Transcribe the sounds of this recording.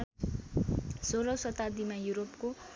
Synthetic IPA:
soɾʌsʌt̪ad̪imajuɾopko

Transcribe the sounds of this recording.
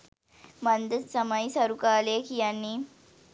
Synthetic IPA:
mɐnd̪ət̪sɐməjsɐɾukaːlekijanːi

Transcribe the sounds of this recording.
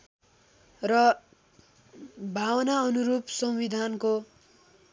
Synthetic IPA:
rʌ | bʱawnaʌnuɾupsʌwwid̪ʱanko

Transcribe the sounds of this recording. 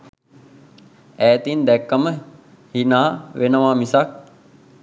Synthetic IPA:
æːt̪ind̪ɛkːəmə | hinaːʋʔenəʋaːmisak̚

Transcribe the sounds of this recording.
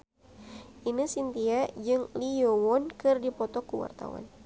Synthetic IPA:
ʔinisint̪iad͡ʒɨŋlijɔwɔnkɨrdipɔt̪ɔkuwa̰rt̪a̰wa̰n

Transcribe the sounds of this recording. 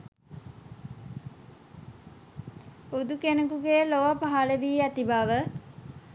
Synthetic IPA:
ud̪ukenəkuɡejloʋapaɦaləʋiːæt̪ibaʋə

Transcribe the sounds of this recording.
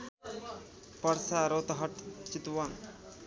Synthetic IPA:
pɐɾsaːɾoːt̪ɦɐʈt͡ʃit̪wan

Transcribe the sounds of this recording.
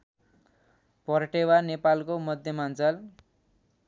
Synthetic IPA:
pʌɾʈewanepalkomʌd̪ʱjʌmant͡sʌl

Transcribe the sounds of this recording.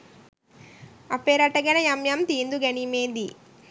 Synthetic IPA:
ɐpːeːɾɐʈːɐɡɐnɐjɐmjɐmt̪iːnd̪uɡɐnimeːnd̪i

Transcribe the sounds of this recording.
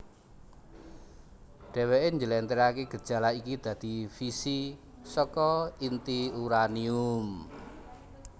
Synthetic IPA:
ɖ̥ɛ̤weeɲd͡ʒəlɛnt̪əɾakeɡ̥ə̤d̥ʒ̥a̤laikid̪̥ä̤d̪̥i̤fisi | sɔkɔint̪iuɾanium

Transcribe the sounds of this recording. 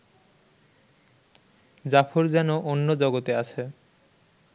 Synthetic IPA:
d͡ʑafʰoɾd͡ʑɛnoʔonːod͡ʑɔɡot̪eat͡ɕʰe

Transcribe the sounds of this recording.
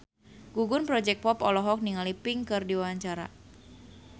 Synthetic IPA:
ɡ̥uɡunpɾɔd͡ʒɛk̚pɔpɔlɔɦɔk̚niŋalipiŋkɨrdiwawaɲt͡ʃaɾa̰

